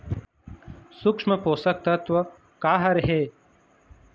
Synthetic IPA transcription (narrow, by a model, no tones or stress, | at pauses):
sʊkʂmɐpoːsɐk̚t̪ɐt̪ʋɐ | kaːɦɐɾɦeː